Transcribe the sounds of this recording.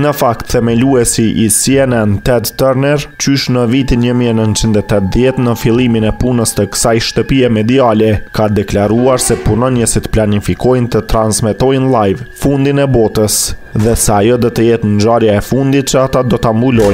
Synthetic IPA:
nəfak̚t̪θɛmɛluɛsiʔisiɛnɛnt̪ɛd̪t̪ɛɾnɛɾt͡ɕyʃnəvit̪inɲəmiɛnənt͡ʃind̪ɛt̪ɛt̪ðjɛt̪nəfilˠiminɛpunəst̪əkə̥sajʃt̪əpiɛmɛd̪ialɛkad̪ɛklaɾuaɾsɛpunɔnjəsit̪planifikɔjnt̪ət̪ɾansmɛt̪ɔjnlˠajvfund̪inɛbɔt̪əsðɛsajɔd̪ɔt̪əjɛt̪nd͡ʒaɾjaɛfund̪it̪̚t͡ʃəat̪ad̪ɔt̪ambulɔj

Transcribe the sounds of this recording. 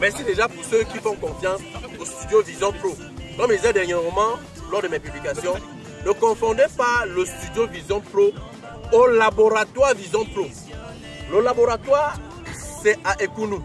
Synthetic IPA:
mɛʁsideʒapuʁsøkifɔ̃kɔ̃fjãsost̪ydjovizjɔ̃pɾo | mɔ̃mezɛdɛʁɲemɔmã | lɔʁdəmɛpyblikasjɔ̃ | nəkɔ̃fɔ̃dɛpalost̪yd̪jovizjɔ̃pɾo | olaboɾat̪waʁvizjɔ̃pɾo | lolaboʁat̪waʁ | sɛaʔekunũ

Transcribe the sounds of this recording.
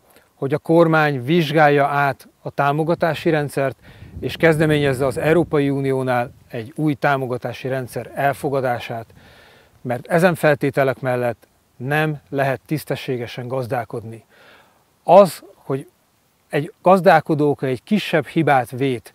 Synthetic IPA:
hoɟɒko̞rmaːɲviʒɡaːjːɒaːt̪ | ɒt̪aːmo̞ɡɒt̪aːʃiɾɛnt̪sɛrt̪eːʃkɛzd̪ɛmeːɲɛzːɛɒzɛuɾoːpɒjiuːnijoːnaːl | ɛɟːuːjt̪aːmo̞ɡɒt̪aːʃiɾɛnt̪sɛɾɛlfo̞ɡɒd̪aːʃaːt̪ | mɛrt̪ɛzɛɱfɛlt̪eːt̪ɛlɛkmɛlːɛt̪ː | nɛmlɛɦɛt̪ːist̪ɛʃːeːɡɛʃɛŋɡɒzd̪aːko̞d̪ni | ɒzho̞ɟ | ɛɟɡ̥ɒzd̪aːlko̞d̪oːkɛɟkiʃːɛbhibaːt̪ʋeːt̪

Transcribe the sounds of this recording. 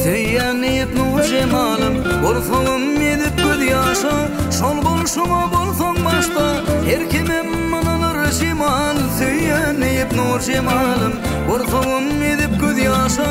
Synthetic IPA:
θɵjænejɪpnuɾʒemɑlˠəmboɾθowəmed̪ɪp̚kʲʰɵðɪɑʃɑ | ʃolˠbolˠʃʊmɑbolˠsoŋbɑʃt̪ɑ | heɾkʲʰememːɑnɑnəɾeʃemɑlsøjænɪjɪpnuɾʒemɑlˠəm | boɾθowəm | ed̪ɪp̚kʰʲɵðjɑʃɑ

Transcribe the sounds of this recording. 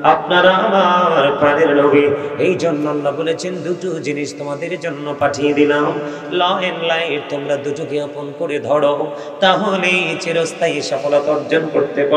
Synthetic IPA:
ap̚naɾaabaɾpɾaneɾloɡiejd͡ʑɔnːalːabolet͡ɕʰend̪uʈud͡ʑiniʃt̪omad̪eɾd͡ʒonːopaʈʰijed̪ilam | lɔenlajeɾt̪omɾad̪uʈuɡiaponkoɾed̪ʱɔɽo | t̪aɦonet͡ɕeɾost̪ʰaiʃɔkolat̪ɔɾd͡ʒonkoɾt̪epa

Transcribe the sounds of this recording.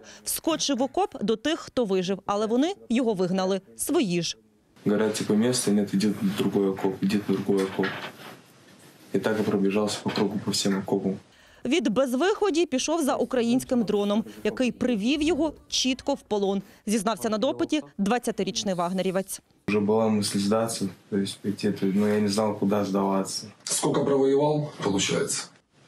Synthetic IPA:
wskɔt͡ʃɪwɔkɔpd̪ɔt̪ɪxːt̪ɔʋɪʒɪwɐlˠɛʋɔnɪjɔɦɔʋɪɦnɐlˠɪsʋɔjiʒ | ɡɐɾatʲɪpɔmʲest̪ʊnʲɛt̪ɪdʲit̪d̪ɾʊɡɔjɐkɔpɪdʲit̪d̪ɾʊɡɔjɐkɔp | ɪt̪akɪpɾɐb̪lʲɪʐɑlˠsʲə̥pɐkɾuɡʊpɐfsʲemɐkɔbʊ | ʋʲid̪bɛzʋɪxɔdʲipʲiʃɔwzɐʔukɾɐjinʲsʲkɪmd̪ɾɔnɔmjɐkɪjpɾɪʋʲiwjɔɦɔt͡ʃit̪kɔwpɔlˠɔnzʲiznɑwsʲɐnɐd̪ɔpɪtʲid̪ʋɐt͡st͡sʲɐt̪ɪɾʲit͡ʃnɪjʋɑɦneɾʲiʋɐt͡sʲ | ʊʐɛbɨlˠamɨsʲlʲɪzd̪at̪sɨjt̪oɪsʲtʲpʲetʲɛt̪ənujanʲɪznɑlˠkʊd̪azd̪ɐʋat̪səskɔkəpɾɐʋɐjɪʋɑlˠpəlˠʊt͡ɕa̰jɪt̪sə̥

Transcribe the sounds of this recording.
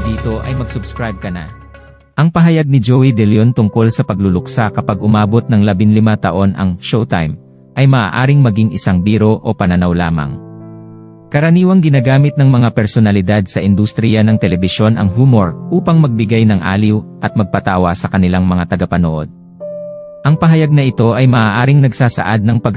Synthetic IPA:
d̪iːt̪o̞ʔɐ̰jmɐɡsʊbskɾajb̚kɐna̰ | ʔɐŋpɐɦɐjaɡ̚nɪd͡ʒowid̪ɛljont̪ʊŋko̞lsɐpɐɡlulʊksakɐpaɡʔʊmaːbo̞t̪̚nɐŋlɐbɪŋlɪmat̪ɐʔo̞nʔɐ̰ŋʃowt̪ajm | ʔɐjmɐʔa̰ːʔaːɾɪŋmɐɡiŋɪsaŋbiːɾo̞ʔopɐnɐnawlaːmɐ̰ŋ | kɐɾɐniːwɐŋɡɪnaːɡaːmɪt̪̚nɐŋmɐŋapɛɾsonɐlɪd̪ad̪sɐʔɪnd̪ust̪ɾɪjanɐŋt̪ɛlɛbɪʃo̞nʔɐ̰ŋɦumo̞ɹʔuːpɐŋmɐɡ̚bɪɡajnɐŋʔa̰ːliwʔɐt̪̚mɐɡ̚pɐt̪aːwɐsɐkɐnɪlaŋmɐŋat̪ɐɡɐpɐno̰ʔo̞̰d̪̚ | ʔɐŋpɐɦɐjaɡ̚nɐʔɪt̪o̞ʔɐjmɐʔaːʔaːɾɪŋnɐɡsaːsɐ̰ʔad̪̚nɐŋpɐɡ

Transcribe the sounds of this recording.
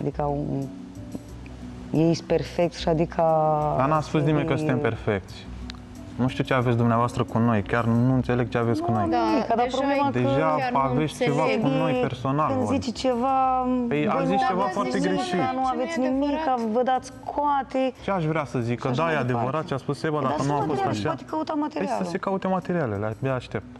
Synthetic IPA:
ad̪ikəu | jeist̪pe̞rfek̚t̪sʃiad̪ikʰəd̪anuaspusnimejkəsɨnt̪empe̞rfe̞k̚t̪sʲ | nuʃt̪iut͡ʃeavet̪sʲd̪umneavoast̪ɾəkuno̞jkʲarnuɨnt̪se̞leɡ̚t͡ʃeavet̪sʲkuno̞j̪ikəd̪apɾoblemad̪e̞ʒaavest̪ʲt͡ʃe̞vakuno̞jpe̞rso̞nalkɨnd̪zzit͡ʃt͡ʃe̞vapejazist͡ʃe̞vafoart̪eɡɾeʃinuavet̪sʲnimikːavəd̪at̪sʲkʰoat̪et͡ʃeaʃvɾeasəzikkːəd̪ajead̪e̞vəɾat̪̚t͡ʃeaspussebad̪akənuafost̪aʃat̪ekəut̪amat̪eɾiasləsekaut̪emat̪e̞ɾialeleabeaʃt̪e̞p̚t̪

